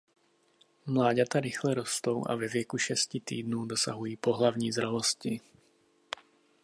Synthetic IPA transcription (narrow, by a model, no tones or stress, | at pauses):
mlaːɟat̪aɾixlɛɾɔst̪oʊʔa̰vɛvɪjɛkuʃɛscit̪ḭːd̪nuʊd̪ɔsa̰ɦujiːpɔɦlavɲiːzɾɛlɔsci